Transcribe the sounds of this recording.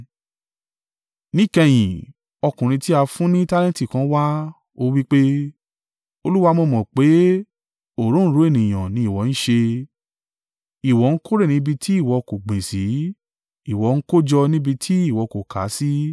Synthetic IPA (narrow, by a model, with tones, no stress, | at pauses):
nĩ˦˨kɛ˧j̃ĩ˨ | ɔ˧kũ˨ɾ̃ĩ˧ti˦a˧fũ˦nĩ˦ta˦lɛ̃˦ti˦˨kã˧˦wa˦ | o˧wi˦k͡pe˦ | o˧lu˦wa˧mo˧mɔ̃˨k͡pe˨˦ | o˨ɾõ˦ɾo˨˦e˦˨nĩ˨j̃ã˨nĩ˨˦i˦˨wɔ˨˦ñ̩˦ʃe˧ | i˨wɔ˨˦n̩˦ko˦ɾe˦˨nĩ˨˦bi˧tʰi˦i˦˨wɔ˧ko˨ɡ͡bĩ˨si˨˦ | i˨wɔ˨˦n̩˦ko˦d͡ʒɔ˧nĩ˦bi˧tʰi˦i˦˨wɔ˧ko˨kʰa̰˨˦si˦